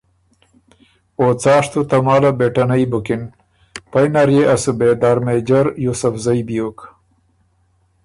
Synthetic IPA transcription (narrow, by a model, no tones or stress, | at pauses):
ot͡saːʂt̪ut̪ɐmaːlabeʈɐnajbukɪn | pajnaɾjeʔasubed̪aɾmed͡ʒaɾjusufzajbijok